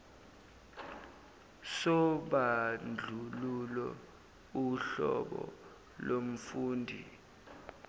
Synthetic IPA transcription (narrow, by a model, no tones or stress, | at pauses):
sɔɓand͡ɮʱululɛ | uɬɔɓɔ | lom̩fuːndʱi